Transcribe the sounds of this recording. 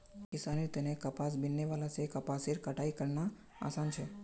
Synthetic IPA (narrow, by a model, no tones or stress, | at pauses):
kɪsanet̪ənekəpas̬bɪnːeʋalasekəpaseɾkəʈaikəɾna | a̰sant͡ʃʰe